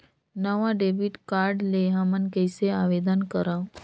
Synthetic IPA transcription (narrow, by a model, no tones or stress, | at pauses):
nəʋãɖebiʈkaɾɖleɦãmənkəjseaʋed̪ənkəɾa